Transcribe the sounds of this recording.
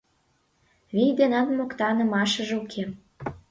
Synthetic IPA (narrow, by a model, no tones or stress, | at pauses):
βijd̪enɑnmokt̪ɑnə̆mɑʃə̆ʒeukʰem